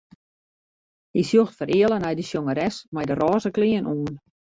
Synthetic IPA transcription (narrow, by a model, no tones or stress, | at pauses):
hisjoxtfəɾʔɪəlˠənɛjdəsjoŋəɾɛsmɛjdərɔːzəkliənʔuːn